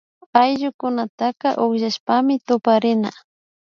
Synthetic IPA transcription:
ajʒʊkʊnat̪akaʔʊχʒaʃpamɪt̪ʊpaɾɪna̰

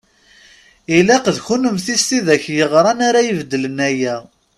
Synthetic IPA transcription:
ilæqəðçunəmθist̪iðæçjəʁɾˤɑnaɾajəvd̪ːələnæjæ

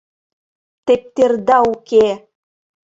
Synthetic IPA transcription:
t̪ep̚t̪erd̪ɑuke

